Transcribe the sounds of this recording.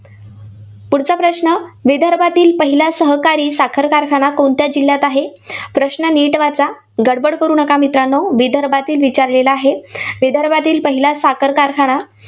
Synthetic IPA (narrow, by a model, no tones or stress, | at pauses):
puɽt͡sapɾəɕnəʋed̪ʱəɾbʱat̪iːlpəɦilasəɦəkaɾiːsakʰəɾkaɾkʰaɽ̃akoɳt̪jad͡ʑilːjat̪aɦepɾəɕɳəniʈʋat͡sa | ɡəɽbəɽkəɾuːnəkamit̪ɾanːɔʋed̪ʱəɾbʱat̪iːlʋit͡ɕaɾlelaːɦeʋed̪ʱəɾbʱat̪iːlpəɦilasakʰəɾkaɾkʰaɽ̃a